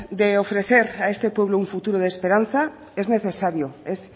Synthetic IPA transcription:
d̪eofɾeθeɾaest̪epweβ̞louɱfut̪uɾoð̞espeɾan̟θa | ezneθesaɾjoes

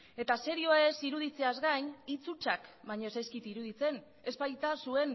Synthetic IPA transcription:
e̞t̪ase̞ɾioesiɾuð̞it͡se̞azɡaɲit͡sut͡ʃakβaɲo̞sajskit̪iɾuð̞it͡se̞n | e̞spajt̪asue̞n

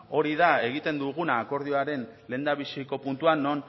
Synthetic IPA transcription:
o̞ɾiðae̞ɣ̞it̪e̞nd̪uɣ̞unaːko̞ɾð̞ioaɾe̞nle̞ːnd̪aβisiko̞punt̪uanːo̞n

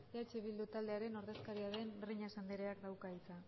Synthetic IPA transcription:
at͡ʃiβild̪ut̪ald̪e̞aɾe̞no̞ɾðe̞skaɾiaðe̞nriɲasand̪eɾeakd̪awkait͡sa

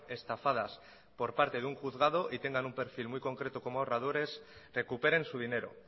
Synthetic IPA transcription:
e̞st̪afað̞as | po̞ɾpaɾt̪e̞ðuŋxuθɣað̞o̞ʔit̪e̞ŋɡanumpe̞ɾfilmwujko̞ŋkɾe̞t̪oko̞moorað̞o̞ɾe̞sre̞kupe̞ɾẽ̞nsuð̞ine̞ɾo̞̰

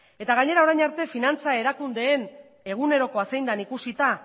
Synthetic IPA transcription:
e̞t̪aɣaɲe̞ɾao̞ɾajɲaɾt̪e̞finant͡sae̞ɾakund̪e̞ːn | e̞ɣ̞une̞ɾo̞ko̞asejnd̪anikusit̪a

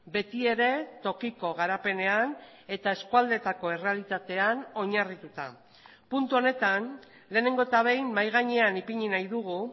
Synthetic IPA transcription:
be̞t̪ie̞ɾe̞t̪o̞kiko̞ɣaɾape̞ne̞ane̞t̪ae̞skuald̪e̞t̪ako̞ere̞alit̪at̪e̞ano̞ɲarit̪ut̪a | punt̪uo̞ne̞t̪an | le̞ːne̞ŋɡo̞et̪aβe̞jnmajɣ̞aɲe̞anipiɲinajðuɣu

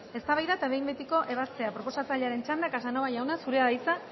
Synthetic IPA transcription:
e̞st̪aβajðaet̪aβe̞jmbe̞t̪iko̞ʔe̞βast̪e̞apɾo̞po̞sat͡saʎeaɾe̞nt͡ʃand̪aekasanoaʝawnasuɾe̞aðajt͡sa

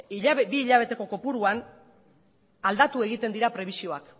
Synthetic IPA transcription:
ibiːʎaβe̞t̪e̞ko̞ko̞puɾuan | ald̪at̪ue̞ɣ̞it̪e̞nd̪iɾapɾe̞β̞isio̞ak

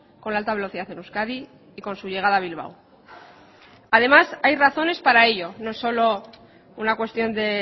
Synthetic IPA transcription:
ko̞nlaalt̪aβe̞lo̞θiðaθe̞nuskaðiː | ko̞nsuʝe̞ɣ̞aðaβilβ̞a̰w | aðe̞masajraθo̞ne̞spaɾae̞ʎo̞no̞so̞lo̞ | unakwe̞st̪jo̞nd̪e̞

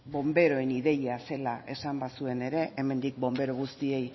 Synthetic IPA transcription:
bo̞mbe̞ɾo̞eniðe̞jase̞laʔe̞sambasue̞ne̞ɾe̞ʔeme̞nd̪ik̚bo̞mbe̞ɾoɣ̞ust̪ie̞j

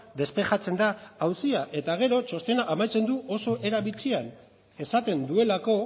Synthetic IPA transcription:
d̪e̞spe̞ʝat͡se̞nd̪aawsiaʔe̞t̪aɣ̞e̞ɾo̞t͡ʃo̞st̪e̞naʔamajt͡se̞nd̪uʔo̞so̞ʔe̞ɾaβit͡sian | e̞sat̪e̞nd̪ue̞lako̞

